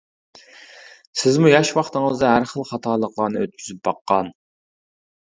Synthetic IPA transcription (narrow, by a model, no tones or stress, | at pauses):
sɪzmujɑʃwɑχt̪əŋəzd̪ɑɦæɾχəlˠχɑt̪ʰɑːlˠəqlˠɑɾnɨøt̪̚kʰʲyzyp̚bɑqːɑn